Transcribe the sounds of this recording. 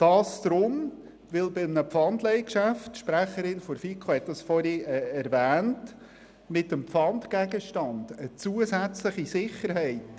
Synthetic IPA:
d̥ɑːsd̪̥ɾʊm | ʋɪlbɪmnəpfɑndlɛɪkʃæftʃpɾæχəɾɪnfɔɾfikʰohɛt̚d̥ɑsfɔɾiɛɛɾvæːnt | mɪtəmpfɑndɡæɡəʃtɑnd̥ət͡suəzæt͡sləχisɪχəɾɦɛɪt

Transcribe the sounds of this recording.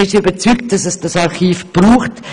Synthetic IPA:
ɪʃybət͡sykt̚d̥ɑsɛsd̥ɑsɑɾχiːfb̥ruːχt

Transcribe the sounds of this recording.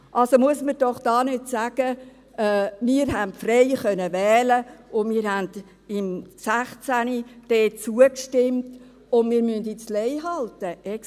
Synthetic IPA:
ʔɑlsomuəsməd̥ɔχd̥ɑːnɪtsæɡ̥ə | ɛːmɪːɾɦæntfrɛjχœnəvɛːləʊnmɪːɾhænd | ɪmsæχt͡sænid̥ɛːt͡suəkʃtɪmt | ʊnmɪːɾmyndit͡slɛjɦɑltəʔɛ

